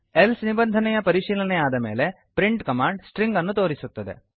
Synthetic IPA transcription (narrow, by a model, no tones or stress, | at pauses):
elsnibɐnd̪ʱɐnɛjɐpɐɾiʂiːlɐnɛaːd̪ɐme̞̰ːle̞ | pɾiɳʈkɐmaːɳɖsʈɾiŋɡɐnːut̪o̞ːɾisut̪ːɐd̪e̞̰